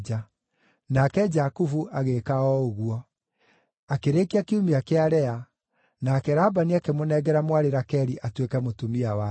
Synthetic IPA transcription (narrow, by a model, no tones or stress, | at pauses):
d͡ʒa | nakɛd͡ʒakufuʔaɣekaɔoɣuɔ | akeɾekiakeumiakeaɾɛa | nakɛɾabaniakemonɛɡɛɾamwaɾeɾakɛɾiʔatwekɛmotumiawa